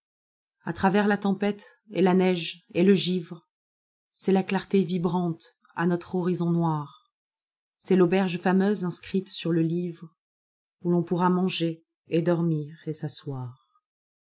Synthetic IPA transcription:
at̪χavɛʁlat̪ɑ̃pɛt̪ | elanɛʒeləʒivʁə | sɛlaklaʁt̪evibʁɑ̃t̪ | a̰nɔt̪χɔʁizɔ̃nwaʁ | sɛlobɛʁʒfamøzɛ̃skχit̪syʁləlivʁ | ulɔ̃puʁamɑ̃ʒe | ed̪ɔʁmiʁesaswaːʁ

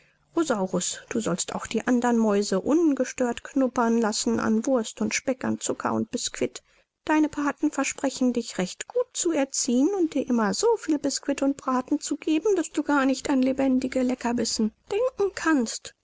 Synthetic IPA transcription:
ʁozaʊʁʊsd̥uːzɔlsta̰ʊxd̥iːʔandɐnmɔʏzəʔʊnɡəʃtøːɐtkʰnʊpɐnlasn̩ʔa̰nvʊɐstʊntʃpɛka̰nt͡sʊkʰɐ̰ʊ̰nt̚b̥ɪskʰv̥ɪt | d̥aɪnəpʰaɐtn̩fɛɐʃpʁ̥ɛçn̩dɪçʁɛçtɡ̥uːt̚t͡suɛɐt͡siːənʊnt̚d̥iːɐʔɪmɐzoːfiːlbɪskv̥ɪtʊnt̚b̥ʁaːtn̩t͡suɡ̥eːbm̩d̥asd̥uːɡaːɐnɪçtanlebɛndɪɡəlɛkɐvɪsn̩d̥ɛŋkŋ̩kʰanst

